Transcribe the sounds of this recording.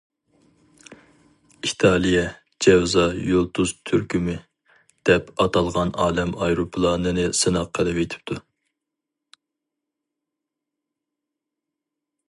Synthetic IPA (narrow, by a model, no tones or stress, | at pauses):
it̪ʰɑːlˠijɛ | d͡ʒɛwzɑjolˠt̪ʰuzt̪ʰyɾkʰʲymɪ | d̪̥ɛpɑt̪ʰɑlˠʁɑnɑːlɛmɑjɾupʰɨlˠɑːnɨnɨsɨnɑqqʰːəlˠɨpet̪ʰɪ̥p̚t̪ʰu